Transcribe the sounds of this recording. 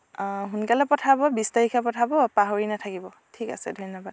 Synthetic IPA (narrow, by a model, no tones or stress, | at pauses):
ɦunkalɛpɔtʰabɔbistaɹikʰapɔtʰabɔpaɦoɹinatʰakibɔ | tʰika̰sɛ̰dʱɔnɔbad̚